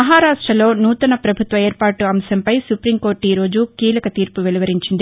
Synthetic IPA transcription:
ɐɦaːɾaːʈɾɐlo̞ːnuːt̪ɐnɐpɾɐbʱut̪ʋɐeːɾpaːʈuɐmsɐmpɐjsupɾimko̞ːɾʈiːɾo̞ːd͡ʒukiːlɐkɐt̪iːɾpuʋeliʋɐɾiɲt͡ʃind̪i

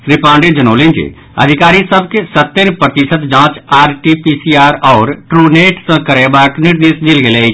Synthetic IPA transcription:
ɾɪpãːɳɖed͡ʒɐnoːlẽːnd͡ʒḛ | ɐ̰d̪ʱɪkaːɾisəb̚kesət̪ːeɾpɾət̪ɪsət̪d͡ʒãːt͡ʃaːɾʈipiːsiaːɾɔːɾʈɾuːneːʈsə̃kəɾebaːknɪɾd̪eːsd̪ɪlɡeːleːi

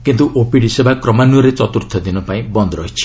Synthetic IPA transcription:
kint̪uʔopiɽisebʱakɾɔmanuɔɾet͡ʃɔt̪uɾt̪ʰɔd̪inɔpaĩbɔnd̪ʱɔɾɔɦit͡ʃʰi̥

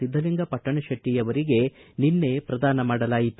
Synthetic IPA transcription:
id̪ːɐliŋɡɐpɐʈːɐɳɐʃɐʈːijɐʋɐɾiɡe̞ninːe̞pɾɐd̪aːnɐmaːɽɐlaːjit̪u

